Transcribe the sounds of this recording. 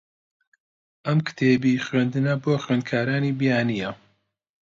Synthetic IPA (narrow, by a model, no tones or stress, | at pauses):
ʔɐmkɨ̥t̪ʰeːbixɥend̪ɨnɐboːxɥeːnd̪̚kʰaːɾaːniːbijaːnijɐ